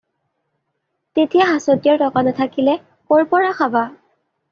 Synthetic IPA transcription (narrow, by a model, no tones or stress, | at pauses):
tetijaɦasotijaɹtɔkanɔtʰakilɛ | pɔɹpɔɹaxaba